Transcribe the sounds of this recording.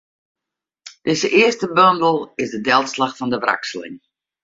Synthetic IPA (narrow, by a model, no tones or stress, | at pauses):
d̥ɪsəʔɪəstəbøndl̩ˠɪzdədɛlˠtslaxfɔndəʋra̰ksəlɪ̰ŋ